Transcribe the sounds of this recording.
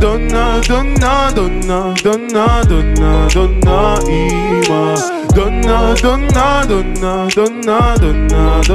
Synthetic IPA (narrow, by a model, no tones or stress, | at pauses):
d̪ɔnːad̪ɔnːad̪ɔnːa | d̪ɔnːad̪ɔnːad̪ɔnːaiʋa | d̪ɔnːad̪ɔnːad̪ɔnːa | d̪ɔnːad̪ɔnːad̪